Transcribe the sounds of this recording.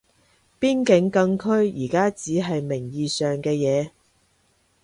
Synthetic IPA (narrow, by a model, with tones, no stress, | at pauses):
piː˥nkɪ˨˥ŋkɐ˧ŋkʰɵ˥ɥjiː˨˩kaː˥t͡siː˨˥ɦɐ˨jmɪ˨˩ŋjiː˨˩sœː˨ŋkɛː˧jɛː˨˧